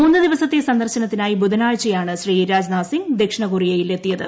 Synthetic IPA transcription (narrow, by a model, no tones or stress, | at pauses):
uːnːɨd̪iʋɐsɐt̪ːesɐnd̪ɐrɕɐnɐt̪ːinaːjibud̪ʱɐnaːɻt͡ɕːɐjaːɳɨɕriːɾaːd͡ʑnaːsiŋd̪ekʂɐɳɐɣurijejile̞t̪ːijɐðɨ